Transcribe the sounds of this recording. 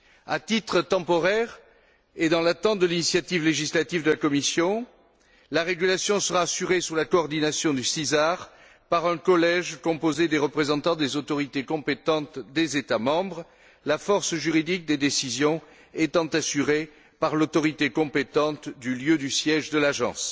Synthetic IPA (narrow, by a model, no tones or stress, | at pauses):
at̪it̪χət̪ɑ̃pɔʁɛʁ | ed̪ɑ̃lat̪ɑ̃t̪d̪əlinisjat̪ivleʒislat̪ivd̪əlakɔmisjɔ̃ | laʁeɡylasjɔ̃səʁaːsyʁesyʁlakɔːʁd̪inasjɔ̃d̪ysizaʁ | paʁɛ̃kɔlɛʒkɔ̃pozed̪eʁəpχezɑ̃t̪ɑ̃d̪ezot̪ɔʁit̪ekɔ̃pet̪ɑ̃t̪d̪ezet̪amɑ̃bʁ | lafɔʁsʒyʁid̪ik̚d̪ed̪esizjɔ̃ | et̪ɑ̃t̪asyʁe | paʁlot̪ɔʁit̪ekɔ̃pet̪ɑ̃t̪d̪yljød̪ysjɛʒd̪əlaʒɑ̰̃s